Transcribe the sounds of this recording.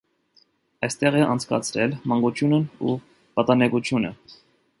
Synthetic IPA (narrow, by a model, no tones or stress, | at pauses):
ɑjst̪ɛʁɛʔɑnt͡sʰkɑ̰t͡sʰɾɛlmɑŋɡut͡ʃʰjunəu | pɑt̪ɑnɛkut͡ʃʰjunə̰